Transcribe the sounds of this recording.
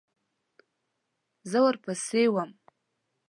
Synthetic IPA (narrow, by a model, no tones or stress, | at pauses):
zawarpʰasejwam